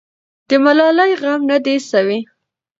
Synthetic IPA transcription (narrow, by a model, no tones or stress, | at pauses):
d̪̥əmalɑlajɣamnad̪esawi